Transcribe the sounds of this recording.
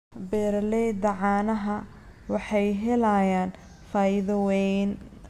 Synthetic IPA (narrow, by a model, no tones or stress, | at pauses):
bɛːɾlɛd̪ɐʕɑːnɐɦɐ | wɑħɑjɦɛlɐjaːn | faːɪðɐwɛn